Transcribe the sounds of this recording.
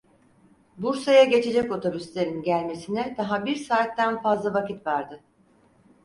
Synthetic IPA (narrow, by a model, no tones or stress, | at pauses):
buɾsajaɟe̞t͡ʃʰe̞d͡ʒɛco̞t̪ʰobyst̪lʲe̞ɾinɟælʲme̞sinɛd̪̥aɦabiɾsaːt̪ːænfazlˠavacit̪vaɾd̪ɯ